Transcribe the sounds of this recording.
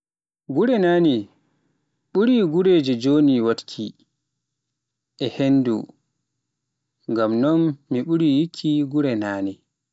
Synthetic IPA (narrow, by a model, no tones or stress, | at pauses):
ɡuɾɛnaːni | ɓuɾiːɡuɾeːd͡ʒɛd͡ʒoniwatkʰi | ʔɛhenːdṵ | ŋɡamnɔnːiɓuɾijikʰːiɡuɾɛnaːni